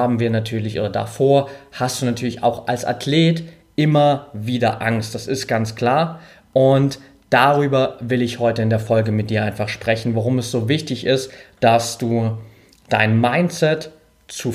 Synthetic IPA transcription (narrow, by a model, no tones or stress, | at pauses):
aːbm̩viːɐnatʰyːɐlɪçʔo̰ːdɐda̰foːɐhast̚d̥uːnatʰyːɐlɪça̰ʊxʔalsʔa̰tʰleːt | ʔɪmɐviːdɐʔaŋst̚d̥asɪst̚ɡ̥ant͡skl̥aːɐ | ʔʊnt | d̥aʁyːbɐvɪlɪçhɔʏtəɪndeːɐfɔlɡəmɪt̚d̥iːɐʔaɪ̃nfaχʃpʁ̥ɛçn̩vaʁʊmɛsz̥oːvɪçtɪçʔɪstd̥asd̥uː | d̥a̰ɪnmaɪnt͡sɛt | t͡su